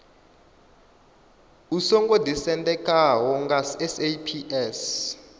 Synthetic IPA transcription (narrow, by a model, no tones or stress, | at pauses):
usɔŋɡɔdisɛntʼɛkʼawɔŋɡasɛsepʰiʔɛs